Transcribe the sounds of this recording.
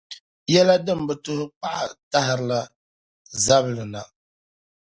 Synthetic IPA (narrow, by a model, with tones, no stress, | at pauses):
jɛ˦la˦dɨ˦mbɛ˨tʊ˦hʊ˦pa˦ʔa˨ta˦ɦɪ˦ɾla˦ | za˦βlɨ˨na˨